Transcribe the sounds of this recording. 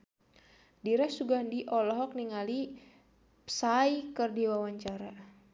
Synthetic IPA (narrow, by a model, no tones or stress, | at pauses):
diɾɛsuɡandiʔɔlɔɦɔk̚niŋali | psaikərdiwawaɲt͡ʃaɾa